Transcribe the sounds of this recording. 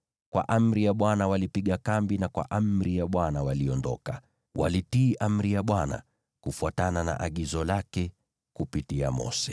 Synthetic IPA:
kwa̰ʔam̩ɾijaɓwanawalipiɠakambinakwa̰ʔam̩ɾijaɓwanawaliɔndɔka | wʔa̰litiːʔam̩ɾijaɓwana̰ | kufuatanana̰ʔaɠizɔlakɛ | kupitia̰mɔ̰sɛ

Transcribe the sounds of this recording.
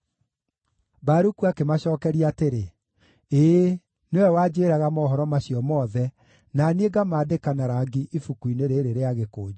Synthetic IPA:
baɾukuakemaɕɔːkɛɾiaːteɾe | e | newɛwaːd͡ʑeeːɾaɣamɔɦɔɾɔmaɕijɔmɔðɛ | nanieɡamaːdekanaɾaɡiʔifukuineɾeɾeɾeaɣekoːd͡ʒa

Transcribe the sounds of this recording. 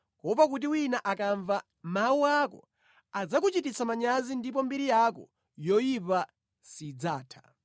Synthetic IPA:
kɔpak̬ut̬iwinaʔakaɱva | mawuakɔ̰ | ad͡zak̬ut͡ʃitit͡samaɲazindip̬ɔmbiɾijakɔ̰ | jɔjipa | sid͡zaːtʰḁ

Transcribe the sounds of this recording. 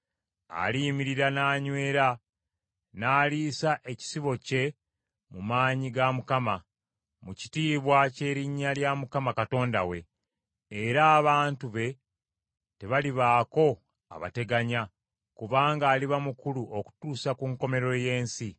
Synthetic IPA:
a̰liːmiɾiɾanaːɲwe̞ːɾa | naːliːsaʔe̞ci̥siβo̞ce̞ | mumaːɲiɡamukama | muci̥tiːβwace̞ːɾiɲːaljamukamakato̞ːnda̰we̞ː | ɾaːβaːntuβe̞ | te̞βaliβaːko̞ | a̰βa̰te̞ɡaɲa | kuβaːŋɡaːliβamukuluʔo̞ku̥tuːsakuŋko̞me̞ɾo̞je̞ːnsi

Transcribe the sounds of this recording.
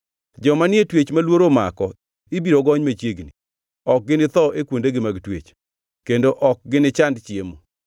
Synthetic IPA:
d͡ʒɔmanɪetwet͡ʃmalwoɾomakɔ | ɪbiɾoɡɔɲmat͡ʃjeɡni | ɔk̚ɡɪnɪt̪ɔʔekwondeɡɪmaɡtwḛt͡ʃ | kendoʔɔk̚ɡɪnɪt͡ʃandt͡ʃɪemo

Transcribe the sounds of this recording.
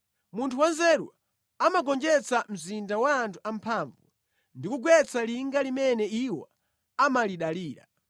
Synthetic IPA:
muntʰuwanzɛɗwa̰ | amaɡɔnd͡ʒɛt͡sam̩zindawaːntʰuampʰaːɱvu | ndikuɡwɛt͡saliŋɡalimɛnɛiwa̰ | amaliɗaliːɾa̰

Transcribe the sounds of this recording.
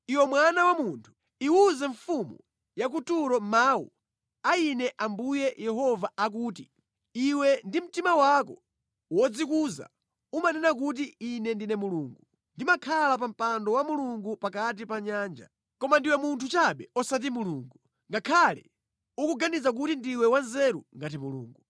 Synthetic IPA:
iwɛmwanawamuntʰu̥ | iuzɛɱfumṵ | jak̬utuɾɔmaːwṵ | ainɛʔambujɛjɛɦɔvaak̬uːti | iwɛndim̩timawakɔ | wɔd͡zikuːza̰ | umanɛnak̬ut̬iinɛndinɛmuluːŋɡu | ndimakʰalap̬am̩pandɔwamuluŋɡupakat̬ipaɲaːnd͡ʒa̰ | kɔmandiwɛmuntʰut͡ʃaɓɛɔsat̬imuluŋɡu | ŋɡakʰalɛ | ukuɡanizak̬utindiwɛwanzɛɾuŋɡat̬imulṵːŋɡu

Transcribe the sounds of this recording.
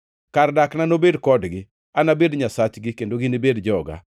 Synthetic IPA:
kardaknanobedkɔdɡɪ | anabedɲasat͡ʃɡɪkendoɡɪnibedd͡ʒɔɡa̰

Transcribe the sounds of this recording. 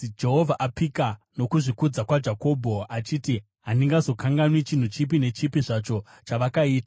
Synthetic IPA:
d͡ʒe̞ɦo̞vʱaʔapika | no̞kuʐikud͡zakwad͡ʒako̞ːbʱo̞at͡ʃiːti | ɦandiŋɡazo̞kʰaŋɡanwit͡ʃin̤ut͡ʃip̬ine̞t͡ʃipiʐat͡ʃo̞ | t͡ʃaʋakaiːta

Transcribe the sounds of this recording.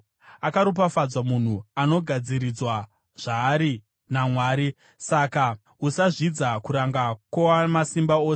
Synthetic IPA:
akaɾup̬afad͡zwamun̤uano̞ɡʱad͡ziɾid͡zwa | ʐ̥aːɾi | namwaːɾi | saka | usaʐid͡zakuɾaŋɡakwowamasimbaoːse

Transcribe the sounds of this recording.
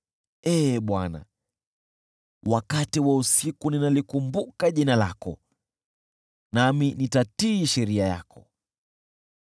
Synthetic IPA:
ɛːɓwana̰ | wakatiwausikuninalikumbukaʄinala̰kɔ̰ | naminitatiːʃɛɾiajakʰɔ

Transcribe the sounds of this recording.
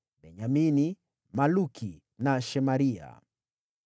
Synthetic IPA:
bɛɲamini | malukʰi | naʃɛmaɾia̰

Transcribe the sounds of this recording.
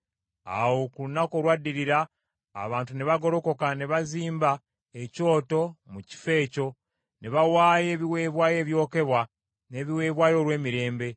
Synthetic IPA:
a̰wo̞kulunakolwadːiɾiɾa̰ː | βaːntuneβaɡo̞ɾo̞ko̞kaneβaziːmba | eco̞ːto̞muci̥fe̞ːco̞ | neβawaːje̞ːβiwe̞ːβwaːje̞ːβjo̞ːke̞βwa | ne̞ːβiwe̞ːβwaːjo̞ːɾwe̞ːmiɾe̞ːmbe̞

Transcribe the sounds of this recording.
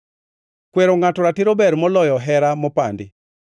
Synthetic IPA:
kweɾoŋatɔɾatiɾobɛɾmɔlɔjɔɦɛɾamɔpandɪ

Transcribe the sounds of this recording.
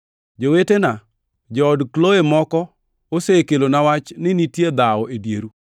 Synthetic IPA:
d͡ʒowetena | d͡ʒɔːdkloemɔkɔ | osekelonawat͡ʃnɪnitjed̪aɔedjeɾu

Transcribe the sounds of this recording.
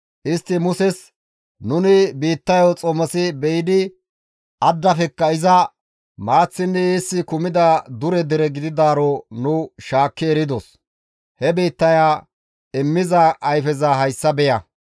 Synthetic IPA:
ʔɪst̪ːɪmʊsɛs | nʊnɪbiːt̪ːɐjɔt͡sʼɔmɐsɪbɛjɪd̪ɪ | ʔɐd̪ːɐfɛkːɐɪzɐ | maːt͡sːɪnːɛjisːɪkʊmɪd̪ɐd̪ʊɾɛd̪ɛɾɛɡɪd̪ɪd̪aːɾɔnʊʃaːkːɪɛɾɪd̪ɔs | hɛbiːt̪ːɐjaː | ɪmːɪzɐʔːjfɛzɐɦɐjsːɐbɛjɐ

